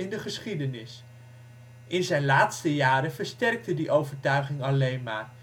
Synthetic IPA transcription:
ɪndəχəsχidənɪs | ɪnzɛjnlaːtstəjaːɾəvəɹstɛrk̚tədiʔowvəɹtœɥχɪŋɑlejnma̰ːr

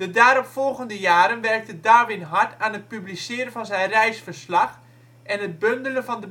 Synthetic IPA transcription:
d̥ədaːɾɔpfɔlˠɣəndəjaːɾənʋɛrk̚tədaːʋɪnɦɑɹtaːnət̚pyblisɪːɾənvɑnzɛjnrɛjsfəɹslɑx | ʔɛnət̚bøndələnvɑndə

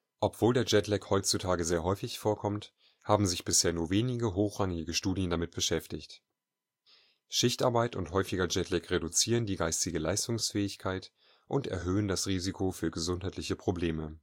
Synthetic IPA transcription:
ʔɔpv̥oːldeːɐd͡ʒɛtlɛkhɔʏt͡sutʰaːɡəzeːɐɦɔʏfɪçfoːɐkʰɔmt | haːbm̩zɪçb̥ɪsheːɐnuːɐveːnɪɡəɦoːxʁ̥aŋɪɡəʃtuːdjəndamɪt̚b̥əʃɛftɪçt | ʃɪçtaɐbaɪtʊnthɔʏfɪɡɐd͡ʒɛtʰlɛkʁedut͡siːʁ̞əndiːɡaɪstɪɡəlaɪstʊŋsfɛːɪçkʰaɪt | ʔʊntɛɐɦøːəndasʁiːzikʰofyːɐɡəzʊnthaɪtlɪçəpʁ̥obleːmə

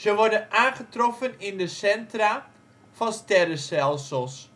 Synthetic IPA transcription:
zəʋɔɹdənaːnχətrɔfənɪndəsɛntra | fɑnstɛrəstɛlˠsəlˠs

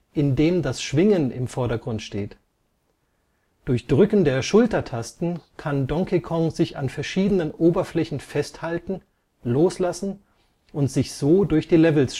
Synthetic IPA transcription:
ʔɪndeːmdasʃv̥ɪŋənɪ̰mfɔɐɾɐɡʁʊntʃteːt | d̥ʊɐçd̥ʁʏkn̩deːɐʃʊltɐtʰastn̩kʰandɔŋkʰikʰɔŋzɪça̰nfɛɐʃiːdənənʔoːbɐflɛçn̩fɛsthaltn̩ | loːslasn̩ | ʔʊntz̥ɪçz̥oːdʊɐçd̥iːlɛvl̩s

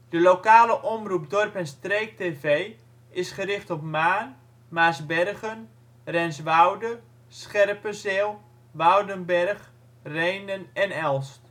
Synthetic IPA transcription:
d̥əlokaːləʔɔmrupdɔrpɛnstreːk̚tevej | ɪsχəɾɪχtɔpmaːn | masbɛrɣən | rɛnsʋawdə | sχɛrpəzelˠ | ʋawdənbɛrχ | rejnənɛnɛlˠst

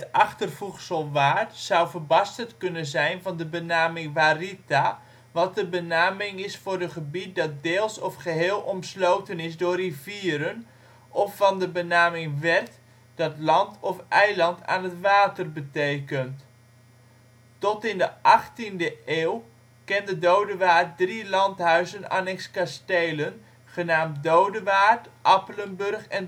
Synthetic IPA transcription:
ətʔɑχtərvuχsəlˠʋaːɹtsʌwvərbɑstətkɵnənzɛjnvɑndəbənaːmɪŋʋaːrita | ʋɑt̚dəbənaːmɪŋɪsfʊːrəχəbit̚dɑt̚deːlˠsɔfχəɦeːlˠɔmslowtənɪsdʊːriviːɾən | ʔɔfːɑndəbənaːmɪŋʋɛrt | d̥ɑtlɑntɔfʔɛjlɑnta̰ːnɦətʋaːtərbətejkənt | tɔtɪndəʔɑχtindəʔeːw | kɛndədowdəʋaːɹt̚drilɑntɦœɥzəna̰ːnɛkskastejlən | χənaːmtdowdəʋaːtʔɑpələnbɵrχɛn

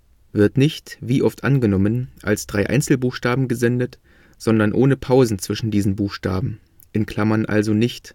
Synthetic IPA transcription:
vɪɐtnɪçtviːʔɔftʔanɡənɔmənʔa̰lsd̥ʁaɪʔa̰ɪnt͡sl̩buːxʃtaːbm̩ɡəzɛndət | z̥ɔndɐnʔoːnəpʰaʊzn̩t͡sv̥ɪʃn̩diːzn̩buːxʃtaːbm̩ | ʔɪnkʰl̥amɐnʔa̰lzonɪçt

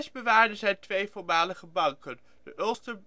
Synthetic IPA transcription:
sbəʋaːɹdənzɛjtʋejfʊɹmaːləχəbɑŋkən | d̥əʔøstə

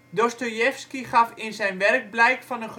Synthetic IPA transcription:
dɔstojɛfskiχɑfɪnzɛjnʋɛrɡ̚blɛjkfɑnənχ

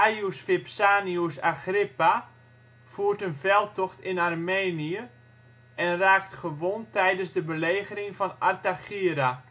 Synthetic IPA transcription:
ajusfɪpsaːniusaχrɪpa | fuːrtənvɛlˠtɔχtɪnarmeːniə | ʔɛnraːktχəʋontɛjdənsdəbəleːɣərɪŋfɔnartaxiəɾa

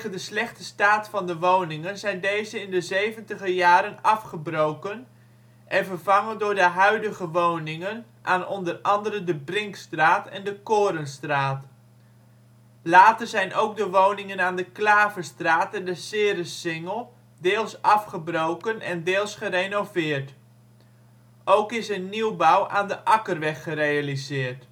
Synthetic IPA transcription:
əndəslɛχtəstaːtfɑndəʋownɪŋənzɛjndejzəɪndəzejvəntəχəjaːɾənɑfχəbrowkən | ʔɛnvərvɑŋəndʊːɹdəɦœɥdəɣəʋownɪŋən | ʔaːnɔndərɑndəɾəndəbrɪŋkstraːtɛ̰ndəkoːɾənstraːt | laːtərzɛjnʔoːwk̚dəʋownɪŋənaːndəklaːvəstraːtɛndəsɪːɾəsɪŋəlˠ | dɪːlˠsɑfχəbrowkənɛ̰ndɪːlˠsχərenowvɪːrt | ʔowkɪsənːiwbawaːndəʔɑkərʋɛχːərejalizɪːrt

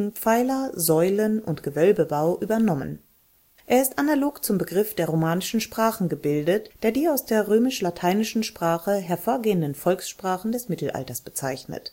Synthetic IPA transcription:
ŋ̩p͡faɪlɐzɔʏlənʊntɡ̥əvœlbəbaʊʔyːbɐnɔmə̰n | ʔeːɐɪstʔanaloːkt͡sʊmbəɡʁɪfd̥eːɐʁomaːnɪʃn̩ʃpʁ̥aːχn̩ɡəbɪldətd̥eːɐdiːaʊsd̥eːɐʁøːmɪʃlatʰaɪnɪʃn̩ʃpʁ̥aːχəɦɛɐfoːɐɡeːəndən̩fɔlksʃpʁ̥aːχn̩dɛsmɪtl̩ʔa̰ltɐsb̥ət͡saɪçnə̰t

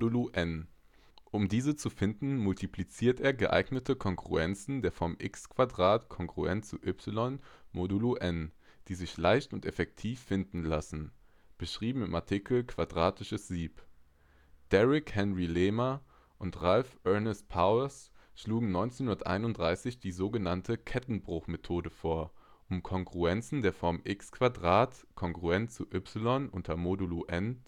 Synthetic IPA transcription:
uʔɛn | ʔʊmdiːzət͡sufɪndn̩mʊltʰiplit͡siːɐtʔeːɐɡəʔa̰ɪɡnətʰəkʰɔŋɡʁṵɛnt͡sn̩deːɐfɔmʔɪkskv̥adʁaːtkʰɔŋɡʁ̥ṵɛnt͡suʔʏpsɪlɔnmoduluʔɛn | d̥iːzɪçlaɪçtʊntɛfɛk̚tʰiːfːɪndn̩lasn̩ | b̥əʃʁ̥iːbm̩ɪma̰ɐtʰikl̩kʰv̥adʁaːtʰɪʃəsz̥iːp | d̥ɛʁɪkhɛnʁilɛːmɐ | ʔʊntʁalfʔœɐnɛst̚pʰaʊɐsʃluːɡŋ̩nɔʏnt͡senhʊnɐtʔa̰ɪnʊntd̥ʁaɪsɪçd̥iːzoːɡənantʰəkʰɛtn̩bʁʊxmetʰoːdəfoːɐ | ʔʊmkʰɔŋɡʁuɛnt͡sn̩deːɐfɔɐmʔɪkskv̥adʁaːtkʰɔŋɡʁuɛnt͡suʔʏpsɪlɔnʔʊntʰɐmoduluʔɛn

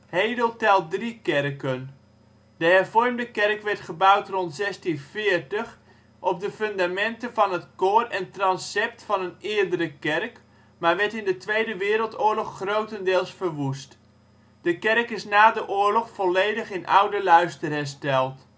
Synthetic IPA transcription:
hejdəlˠtɛlˠt̚drikɛrkən | d̥əɦɛɹvɔrmdəkɛrkʋɛɹtχəbʌwtrɔntsɛstinvɪːɹtəχ | ʔɔp̚dəfɵndamɛntəvɑnɦətkoːrɛntrɑnsɛp̚tfɑnənɪːɹdəɾəkɛrk | maːɹʋɛɹtɪndətʋejdəʋɪːɾəlˠtʊːɹlɔχːrowtəndɪːlˠsfərʋust | d̥əkɛrkɪsnaːdəʔʊːɹlɔχfɔlejdəχɪnʔʌ̰wdəlœɥstərɦɛɹstɛlˠt

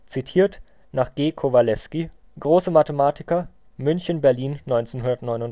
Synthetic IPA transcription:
t͡sitʰiːɐt | naːχɡ̥eːkʰovalɛfski | ɡ̥ʁoːsəmatəmaːtʰɪkɐ | mʏnçənbɛɐliːnːɔʏnt͡seːnɦundɐtnɔʏnʊn

